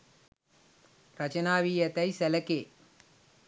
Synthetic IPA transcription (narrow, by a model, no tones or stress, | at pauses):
ɾɐt͡ʃɐnaːʋijɐt̪ɐjsɐlɐkeː